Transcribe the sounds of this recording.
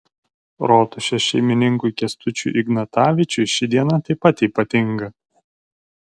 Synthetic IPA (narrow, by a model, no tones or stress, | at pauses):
ɾoːt̪ʊʃʲɛʃʲɛɪmʲɪnʲɪŋkuɪkʲɛst̪ʊt͡ʃʲṵːˑʔɪɡnɐt̪ɑːʋʲɪt͡ʃʲʊɪʃʲɪd̪ʲiɛnɐt̪ɐɪpɐt̪iːˑpɐt̪ʲɪŋɡɐ